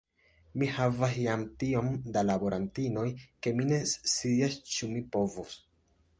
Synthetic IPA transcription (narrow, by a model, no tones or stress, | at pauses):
mihavasjamtiomdalabo̞ɾantino̞jke̞mine̞siast͡ʃumipo̞vos